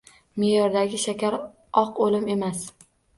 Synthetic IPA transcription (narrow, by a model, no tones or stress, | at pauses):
mejɒɾd̪aɡʲɪʃakʲaɾ | ɒqolɪme̞mas